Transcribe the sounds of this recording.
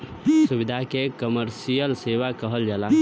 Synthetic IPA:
subɪd̪ʱakekəməɾsijəlseːʋakəɦəld͡ʒala

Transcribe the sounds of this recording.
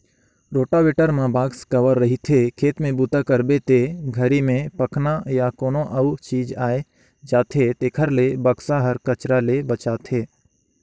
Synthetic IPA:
ɾoːʈaʋeːʈəɾmãbaːɡskəʋəɾːɐɦit̪ʰekʰeːt̪mẽbuːt̪akəɾbet̪eɡʱəɾimẽpɐkʰnajakoːnõʔɐt͡ʃiːd͡ʒaːe | d͡ʒaːt̪ʰet̪eːkʰəɾlebəksaɦəɾkɐt͡ʃɾalebɐt͡ʃaːt̪ʰeː

